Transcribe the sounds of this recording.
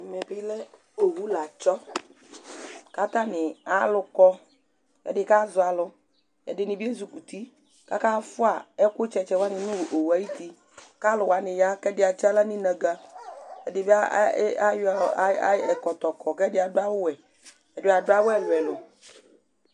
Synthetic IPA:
mɛ˨bɪ˦lɛ˦ | o˨wu˦la˨t͡ʃɔ˦ | ka˦t̪a˦nɪ˨a˨˦lʊ˨kɔ˦ | kɛ̰˦dɪ˨ka˦zʊ˨a˨lʊ˨ | jɛ̰˨dɪ˨nɪ̃˨bi˦e˦zu˨ku˨t̪i˦ | ka̰˦ka˦fʊ˦a˨ɛ˦kʊ˦t͡ʃɛ˨t͡ʃɛ˦wa˦nɪ̃˨nʊ̃˦˨o˨wu˨a˨ji˦t̪i˦ | ka˦lʊ˨wa˨nɪ̃˨ja˦kɛ˦dɪ˨˦a˨t͡ʃa˦la˦nɪ̃˦nɛ̃˨ɡa˦ɛ˨dɪ˨bi˦a˦a˦jɛ˨kɔ˨t̪ɔ˨kɔ˨kɛ˦dɪ˦a˨dʊ˦a˦wʊ˦wɛ˨ | ɛ˨dʊ˦˨a˨ɖʊ˦a˦wʊ˦ɛ˨lʊ˨ɛ˨lʊ˨

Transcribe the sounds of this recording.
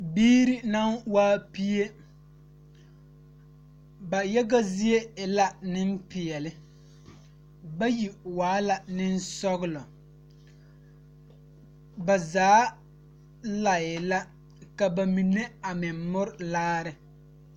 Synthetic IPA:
biː˦ɾi˦na˦nwaː˦pi˦e˦ | ba˨jɛ˦ɡa˦zi˦e˦ɪ˨la˦nɪ˦m˦pɪ˨ɛ˨lɪ˦ | ba˦ji˨waː˦la˨nɪ˦n˦sɔ˦ɣɪ˦lɔ˨ | ba˨zaː˨˦ | la˨ɪ˨la˦ | ka˨ba˨mi˨ne˦a˨mɪ˨mmʊ˦ɾlaː˦ɾɪ˨

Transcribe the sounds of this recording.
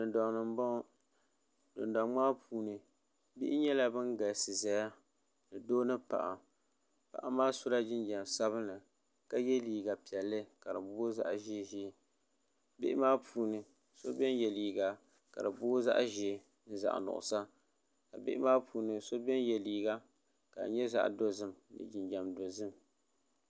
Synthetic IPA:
dʊ˨ndɔ˨ŋnɨ˨m˦bɔ˦ | dʊ̰˨nda˨ŋ͡maː˦pʰuː˨˦nɨ˨ | bɪ˦ʔɪ˦ɲɛ˦la˦bɨ˦nɡa˨sɨ˨za˨ja˦ | nɨ˨doː˦nɨ˦pa̰˨ʔa̰˨ | pa̰˨ʔa˨maː˦sʊ˦la˦d͡ʒɪ˦nd͡ʒɛ˨m˨sa˦βɨ˦nɨ˨ | ka˦jɛ˦liː˨ɡa˨pi˨ɛ˨lːɨ˦ka˨dɨ˨bʊ˦za̰˦ʔʒe˦ʒe˨˦˨ | bɪ̰˦ʔɪ˦maː˦puː˦nɨ˨ | so˦bɛ˦njɛ˨liː˨ɡa˨ | ka̰˨dɨ˨bʊ˦za̰˦ʔʒe˨ | n̩˦za̰˨ʔa̰˨nʊ̰˨ʔʊ̰˨sa˦ | a˨bɪ˦ʔɪ˦maː˦puː˨˦nɨ˨so˦bɛ˦njɛ˨liː˨ɡa˦ | ka̰˨ɲɛ˦za̰˨ʔdo˦zɨ˦mnɨ̰˨d͡ʒɪ˨nd͡ʒa˨mdo˨zɨ˦m

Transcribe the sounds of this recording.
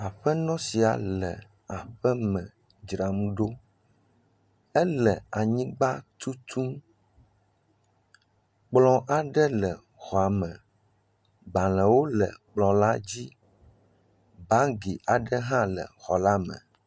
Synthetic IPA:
a˨ɸɛ˦nɔ̃˦si˨a̰˨lɛ̰˨ | a˨ɸɛ˦mɛ̃˨ | d͡ʒɾa˨mũ˦ɖo˦ | ɛ˦lɛ˨a˨ɲĩ˦ɡ͡ba˦t̪u˦t̪ʰu˦m | k͡plɔ̃˦ʔa˨ɖɛ˦lɛ˨ | xɔ˨a˨mɛ̃˨ | ba˨l̃ɛ̃˨wo˦lɛ˨k͡plɔ̃˨la˦d͡ʑi˦ | ba˦ɡi˨ʔa˨ɖɛ˦ɦã˦lɛ̰˨xɔ˨la˦mɛ̰̃˨

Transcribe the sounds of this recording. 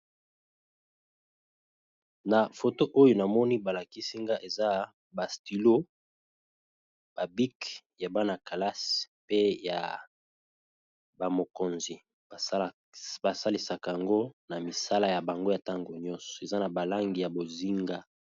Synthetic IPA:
na˨fo˨to˦ʔo˦jo˨na˨mɔ˦ni˦ba˨la˨ki˦si˦ŋɡa˦ʔe˨za˦ | ba˨sti˨lo˦ | b̥a˨bi˦k | ja˨ba˦na˨ka˨la˦s | pe˦ja̰˨ | ba˨mo˨ko˨nzi˨˦ | ba˨sa˦li˨sa˨ka˨ja˨ŋɡo˦na˨mi˨sa˦la˨ja˨ba˨ŋɡo˦ja˨ta˦ŋɡo˨ɲɔ˦nsɔ̥˨e˨za˦na˨ba˨la˦ŋɡi˨ja˨bo˨zi˦ŋɡa˦

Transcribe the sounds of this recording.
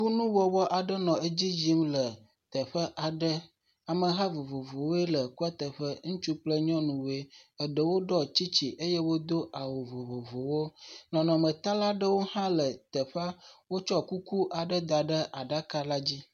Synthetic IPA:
ɸu˦nũ˦wɔ˨wɔ˦ʔa˨ɖə˦nɔ̃˨e˦d͡ʑi˦d͡ʑi˦mlə˨ | t̪ə˨ɸə˦ʔa˨ɖə˦ | a˨mə˨ɦa˦vo˨vo˨vo˨wo˦e˦lə˨ku˦a˦t̪ə˨ɸə˦ŋũ˦t͡ʃu˦k͡plə˦ɲɔ̃˦nũ˨we˦ə˨ɖə˨wo˦ɖɔ˦t͡ɕi˦t͡ɕi˨ʔe˦je˦wo˦d̪o˦ʔa˨wo˨vo˨vo˨vo˨wo˦nɔ̃˨nɔ̃˨mə̃˨t̪a˦la˦ɖə˦wo˦hã˦lə˨t̪ə˨ɸa˦wo˦t͡ʃɔ˦ku˦ku˦ʔa˨ɖə˦d̪a˨ɖə˦ʔa˨ɖa˦ka˦la˦d͡ʑi˦

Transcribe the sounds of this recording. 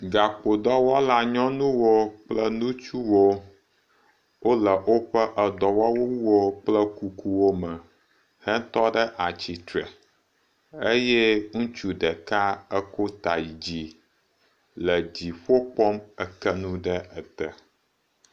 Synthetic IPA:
ɡa˨k͡po˨d̪ɔ˦wɔ˦la˨ɲɔ̃˦nũ˦wo˦k͡plə˦nũ˦t͡ʃu˦wo˦ | wo˦lə˨ʔo˦ɸə˦ʔə˨d̪ɔ˨wɔ˦wo˦wwo˦k͡plə˦ku˨ku˨wo˦mə˨ | hɛ˦t̪ɔ˦ɖə˦ʔa˨t͡ɕi˨t̪ɾɛ̰˨ | e˦jɛ˦ŋũ˦t͡ʃu˦ɖɛ˨ka˦ə˦ko˦t̪a˨ji˨d͡ʑi˨ | lə˨d͡ʑi˨ɸo˦k͡pɔ˦mə˦kə˦nũ˦ɖɛ˦ə˨t̪ə˨

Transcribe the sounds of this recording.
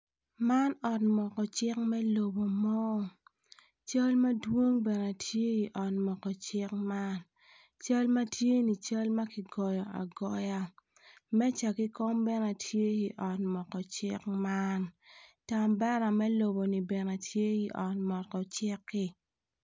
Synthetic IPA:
ma˦nɔ˨tmɔ˨kɔ˨t͡ʃɪ˦k̚mɛ˦lo˨bo˨mɔ˦˨ | t͡ʃa˦lma˦dwo˦ŋbɛ˨na˨tʰje˦i˨ʔɔ˨tmɔ˨kɔ˨t͡ʃɪ˦k̚ma˦n | t͡ʃa˦lma˦tje˦ni˨t͡ʃa˦lma˦ki˨ɡɔ˨jɔ˨a̰˨ɡɔ˨ja˦ | mɛ˦t͡ʃa˨ki˦kɔ˦mbɛ˦na˨tʰje˦i˨ʔɔ˨tmɔ˨kɔ˨t͡ʃɪ˦kma˦nta˨mbɛ˦na˨mɛ˦lo˨bo˨ni˨bɛ˨na˨tʰje˦i˨ʔɔ˨tmɔ˨t̚kɔ˨t͡ʃɪ˦kːɪ˦

